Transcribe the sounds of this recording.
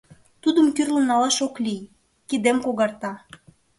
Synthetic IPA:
t̪ud̪əmkyrlə̆nɑlɑʃoklij | kid̪emkoɣɑrt̪ɑ

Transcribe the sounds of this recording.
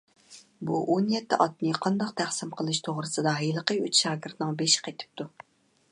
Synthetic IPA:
buʔonjɛt̪ʰːɪʔɑt̪nɨqʰɑnd̪ɑqt̪ʰæχsɪmqʰəlˠɨʃt̪ʰoʁɾɨsɨd̪ɑɦejlˠəqəyt͡ʃʃɑːɡʲɪɾt̪nɪŋbeʃqʰet̪ʰɪ̥p̚t̪ʰu

